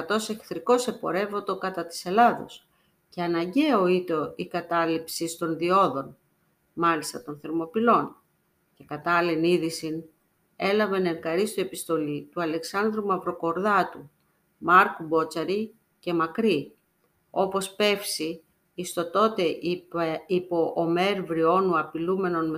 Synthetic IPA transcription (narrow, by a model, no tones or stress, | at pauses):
ɐt̪o̞se̞kθɾiko̞se̞po̞ɾe̞vo̞t̪o̞kɐt̪ɐt̪i̥se̞lɐðo̰s | ceɐnɐɲɟe̞o̞it̪o̞ikɐt̪ɐlipsist̪o̞nðio̞ðo̞n | mɐlist̪ɐt̪o̞nθeɾmo̞pilo̞n | ce̞kɐt̪ɐleniðisin | e̞lɐve̞ne̞ɾɡɐɾist̪ue̞pist̪o̞lit̪uɐle̞ksɐnd̪ɾumɐvɾo̞ko̞ɾðɐt̪u | mɐɾkubo̞t͡sɐɾi | ce̞mɐkɾi | o̞po̞spe̞fsi | ist̪o̞t̪o̞t̪e̞ | ipo̞ʔːme̞ɾvɾio̞nuɐpilume̞no̞nm